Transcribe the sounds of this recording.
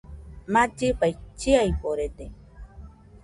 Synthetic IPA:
mat͡ʃipajt͡ʃiaipoɾet̪e

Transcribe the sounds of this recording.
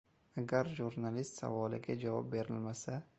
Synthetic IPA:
aɡʲaɾʒuɾnalist̪sa̰vɒlɪ̰ɡʲad͡ʒavɒ̰p̚be̞ɾɪlmasa

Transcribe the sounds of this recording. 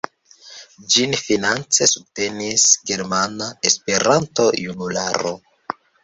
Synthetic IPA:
d͡ʒinfinant͡se̞sub̚te̞nisɡe̞ɾmanaespe̞ɾanto̞junula̰ɾo̞̰

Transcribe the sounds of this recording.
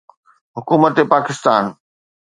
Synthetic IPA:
ɦʊkuːmət̪epaːkɪst̪aːn

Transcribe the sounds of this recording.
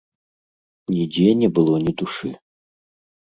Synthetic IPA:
nʲid͡zʲɛnʲɛbɨlˠɔnʲɛd̪uʂɨ

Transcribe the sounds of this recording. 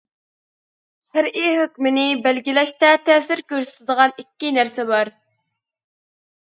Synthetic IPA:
ʃɪɾiɦøkʲmɪnɪbælɡʲilɛʃt̪ɛt̪ʰɛːsɪɾkʲøɾsy̥t̪ʰɪd̪əʁɑnikʲːinæɾsɛbɑɾ

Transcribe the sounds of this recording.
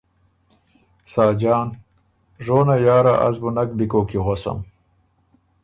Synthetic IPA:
sɑːd͡ʑɑːn | ʐoːnajɑːɾaʔazbunakd̪ikoːkiɣosa̰m

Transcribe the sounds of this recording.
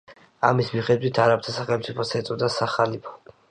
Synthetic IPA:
a̰mismiχɛd̪wit̪ʰaɾapt̪ʰasaχɛlmt̪sʼipʰɔsɛt̪sʼɔd̪asaχalipʰɔ̥

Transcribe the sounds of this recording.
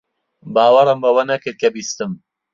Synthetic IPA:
baːwɐɾɨmbɐwɐnɐkɨɾt̚kʰɐbiːst̪ɨm

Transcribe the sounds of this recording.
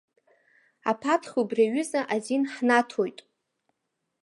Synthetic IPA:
a̰pʰatʰχʲubraɥʏzaʔazinħnatʰojtʼ

